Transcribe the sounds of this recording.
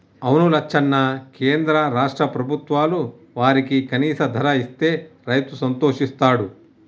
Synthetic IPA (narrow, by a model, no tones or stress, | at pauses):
ɐwnulɐkt͡ʃʰːɐnːɐkeːnd̪ɾɐɾaːʂʈɾɐpɾɐbʱut̪ʋaːlu | ʋaːɾikikɐniːsɐd̪ʱɐɾɐist̪e̞ːɾɐjt̪usɐnt̪oːʂist̪aːɽu